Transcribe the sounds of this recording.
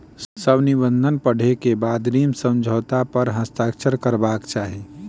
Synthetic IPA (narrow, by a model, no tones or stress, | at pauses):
səbnibə̃nd̪ʱənpəɽ̤ekebaːd̪niːmsə̃md͡ʒʱoːt̪apəɾɦə̃st̪aːkt͡ʃəɾkəɾbaːkt͡ʃaːɦe